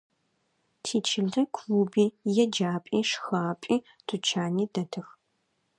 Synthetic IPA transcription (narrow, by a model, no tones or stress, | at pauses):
tʰiːt͡ʃʰɪɮɐkʷʰwubiːjɛd͡ʒaːpʼiːʂxaːpʼiː | d̥ʰut͡ʃʰaːniːdɐtʰɨx